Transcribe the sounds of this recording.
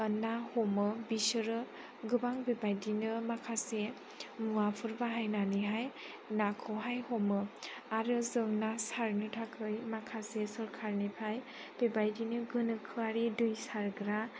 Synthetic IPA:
ənːahɔmɯbisɯɾɯ | ɡɯbaŋbebajdinɯmakʰase | muapʰɯɾbaɦajnaniɦaj | nakʰɔɦajhomɯaɾɯzɯŋnasaɾnɯtʰakʰɯjmakʰasesɔɾkʰaɾnipʰaj | b̥ebajdinɯɡɯnɯkʰɯaɾidujsaɾɡɾa

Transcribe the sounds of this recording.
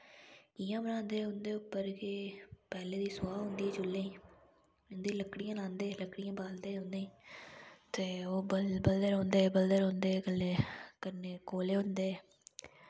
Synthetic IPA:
ɪjãːbənãːnd̪eːʊnd̪eːʊpːəɾkepɛːleːd̪iːsʊaːɦʊ̃nd̪iːɛːt͡ʃʊlːẽːĩː | ʊnd̪iːləkːɽijãːlãːnd̪eːləkɽɪjãːbaːld̪eːɦoʊ̃nd̪ẽːĩː | t̪eːoːbəbəld̪əɾɦõːnd̪eːbəld̪əɾɦõːnd̪eːkəlːeːkəneːkoːleːɦʊnd̪eː

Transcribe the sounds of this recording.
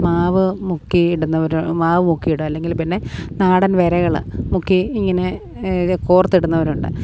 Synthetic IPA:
maːʋɨmukːiɽunːɐʋɐɾumaːʋɨmukːijiɽuɐlːe̞ŋɡilpinːe̞naːɽɐnʋeɾɐɣɐɭɨmukːiːŋːɐne̞ | koːrɐt̪ːiɽunːɐʋɐɾuɳɖɨ̰

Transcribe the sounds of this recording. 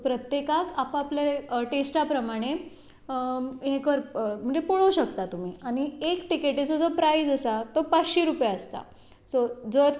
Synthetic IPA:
pɾət̪jekakapapljeʈesʈapɾəmaɽ̃e | ɦẽkəɾm̤əɳd͡zepoɭowɕəkt̪at̪um̤iːaɽ̃iekʈikeʈet͡sod͡zopɾaid͡zəsat̪opat͡sɕiɾupjaəst̪a̰ | sod͡zəɾ

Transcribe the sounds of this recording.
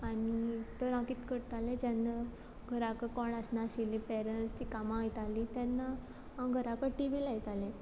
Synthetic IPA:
anit̪əɾãkiːt̪kəɾt̪alẽd͡ʑanːa | ɡʱəɾakəkɔɳəsnaɕilipɛɾənst̪ikamãːjt̪alit̪janːa | ɡʱəɾakəʈiʋilajt̪alẽ

